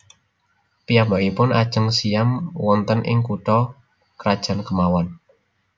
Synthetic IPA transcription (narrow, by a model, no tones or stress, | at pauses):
pijambaʔipʊnad̥ʒ̥əŋsijamwɔnt̪ənʔɪ̰ŋkuʈɔ | kɾad̥ʒ̥a̤nkəmawan